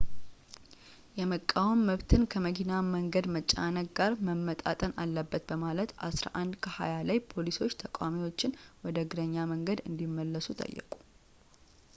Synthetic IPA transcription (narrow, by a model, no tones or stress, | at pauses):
jɛməkʼːawmːəβt̪ʰɨnkʰəməkʰinaməŋɡəd̪mət͡ʃʼːa̰nət̪ɡaɾməmːət̪ʼa̰t̪ʼənʔalːəbːət̪̚bəmalət̪ʔa̰sɾa̰ʔand̪kʰəha̰jalajpʰo̞liso̞t͡ʃːt̪ʰəkʼamiwo̞t͡ʃːɪnwɔd̪əɡɨɾəɲːaməŋɡəd̪ɨnd̪imːəlːəsut̪ʼə̰jːɨ̰kʼu